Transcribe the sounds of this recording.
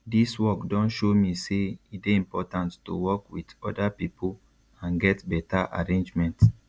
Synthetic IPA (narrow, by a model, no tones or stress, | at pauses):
diswɔkdɔ̃nʃomiseit̚beĩmpɔtãntːṵwɔkwidɔdapipu | ãnɡɛtbɛtaʔa̰ɹẽnd͡ʒmɛ̃nt